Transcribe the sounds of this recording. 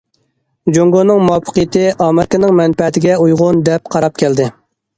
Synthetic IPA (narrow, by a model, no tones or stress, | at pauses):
d͡ʒoŋɡonɨŋmuɑpʰːə̥qəjɪt̪ʰɪʔɑːmɛɾkʲɨnɪŋmɛnpɛt̪ʰɪɡʲɛujʁʊnd̪ɛp̚qʰɑɾɑp̚kʲʰɛld̪ɪ